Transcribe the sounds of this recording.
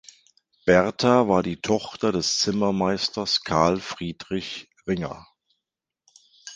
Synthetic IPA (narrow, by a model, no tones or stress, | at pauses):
b̥ɛʁtʰavaːɐdiːtʰɔχtɐdɛst͡sɪmɐmaɪstɐskʰaɐlfʁ̥iːdʁɪç | ʁɪŋɐ̰